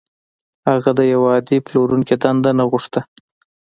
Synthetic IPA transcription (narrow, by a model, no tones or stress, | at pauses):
haɣad̪əjawɑd̪iploɾunked̪and̪anaɣuʂt̪a